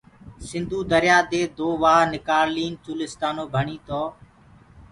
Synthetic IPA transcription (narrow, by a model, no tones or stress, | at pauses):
sɪ̃nd̪ʱuːd̪əɾɪjaːd̪eːd̪oːʋaːnɪkaːɾliːnt͡ʃuːlɪst̪aːnoːbʱəɳiːt̪oː